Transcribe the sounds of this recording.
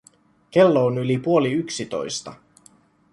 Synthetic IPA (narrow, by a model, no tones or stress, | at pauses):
k̟elːoːnylipuo̞liyksit̪o̞̰jst̪ɑ